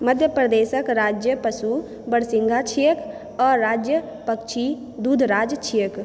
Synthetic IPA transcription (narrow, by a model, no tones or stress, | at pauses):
məd̪ʱjəpɾəd̪eːsəkɾaːd͡ʒjəpəsu | bəɽsɪ̃ŋɡʱat͡ʃʰijək | ɔːɾːaːd͡ʒjə | pəkt͡ʃʰi | d̪uːd̪ʱɾaːd͡ʒt͡ʃʰijək